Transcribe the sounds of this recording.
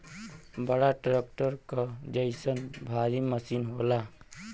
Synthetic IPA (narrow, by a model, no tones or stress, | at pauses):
bəɽaʈɾek̚ʈəɾkad͡ʒəɪsənbʱaɾiməsinɦola